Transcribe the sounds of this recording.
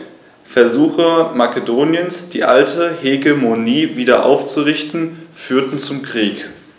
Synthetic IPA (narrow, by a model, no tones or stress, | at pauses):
fɛɐzuːxəmakedoːnjənsd̥iːʔa̰ltʰəheɡemoniːviːdɐʔa̰ʊft͡suʁɪçtn̩fyːɐtn̩t͡sʊmkʁ̥iːk